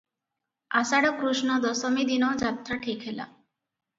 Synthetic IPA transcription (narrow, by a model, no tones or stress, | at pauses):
asaɽɔkɾuʃnɔd̪ɔsɔmid̪inɔd͡ʒat̪ɾaʈʰikɦela̰